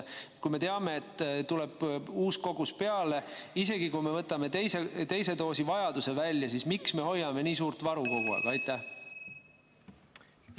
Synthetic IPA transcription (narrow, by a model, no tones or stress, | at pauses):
kujme̞t̪e̞ɑme̞ːt̪ːt̪ule̞b̥uːsko̞ɡ̥uspe̞ɑle̞ise̞ɡ̥ikujme̞vɤt̪ːˑɑme̞t̪ejset̪e̞jse̞t̪o̞ːsivɑjɑd̪use̞vælʲjɑsismiksme̞ho̞jːɑme̞niːsuːrt̪vɑɾuɡo̞ɡ̥uɑ̰ɡ̥ɑjt̪ːˑæh